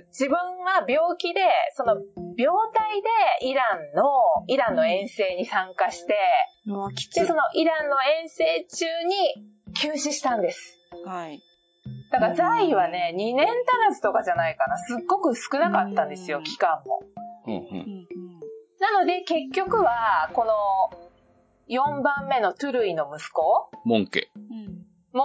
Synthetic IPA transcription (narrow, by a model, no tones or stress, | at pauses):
d͡ʑibɯ̟̃ɰ̃βabʲo̞ːkʲid̪e̞so̞no̞bʲo̞ːt̪aid̪e̞iɾãnːo̞iɾãnːo̞ẽ̞ɰ̃se̞ːɲ̟isãŋkaɕi̥t̪e̞̥ | eso̞no̞ʔiɾãnːo̞ẽ̞ɰ̃se̞ːt͡ɕɨːɲ̟i | kʲɨːɕiɕi̥t̪ãnd̪e̞sɨ̥ | hai | d̪̥akaɾazaiβane̞ɲ̟inẽ̞nt̪anasɨ̥t̪o̞kaʑanaikanasɨɡːo̞kɯ̟sɨ̥kɯ̟nakat̪ːãnd̪e̞sɨjo̞kʲi̥kãmːõ̞̰ | nano̞d̪e̞ke̞kʲːo̞kɯ̟βako̞no̞ | jõ̞mbãmːe̞no̞t̪ɯ̟ɾɯ̟ino̞mɯ̟sɨ̥ko̞mõ̰ŋkḛː | mo